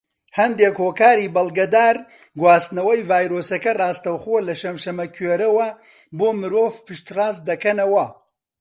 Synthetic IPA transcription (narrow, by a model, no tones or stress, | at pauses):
hɐnd̪eːkhoːkaːɾiːbɐlˠɡɐd̪aːɾ | ɡwaːst̪nɐwɐjvaːjɾoːsɐkɐrɑːst̪ɐwxoːlɐʃɐmʃɐmɐkʰɥeːɾɐwɐ | boːmɨɾoːvpʰɨʃt̪raːzd̪ɐkɐnɐwɐ